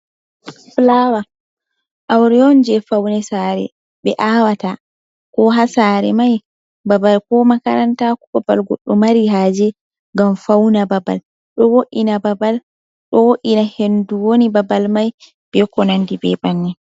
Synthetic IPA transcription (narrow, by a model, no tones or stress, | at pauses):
flawa | ʔawɾɛɔnd͡ʒɛfawnɛsaːɾɛ̰ | bɛʔawata | kɔɦasaɾɛ̰maj | babalkɔmakaɾantakubabalɡɔ̰ɗːɔmaɾiɦaːd͡ʒɛ | ŋɡamfawnababa̰l | ɗɔwoʔinababal | ɗɔwoʔinahenduwonibabalmaj | b̥ɛkɔnandibɛ̰banːɛ